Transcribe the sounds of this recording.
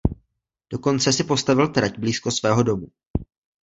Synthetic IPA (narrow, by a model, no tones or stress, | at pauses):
d̥o̞ko̞nt͡sɛsɪpo̞st̪avɪlt̪ɾacbliːsko̞svɛːɦo̞do̞mu